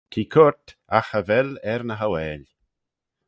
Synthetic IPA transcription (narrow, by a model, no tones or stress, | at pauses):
kʰiːkʰʊɹt̪axəvɛlɛɾnəɦawɛːl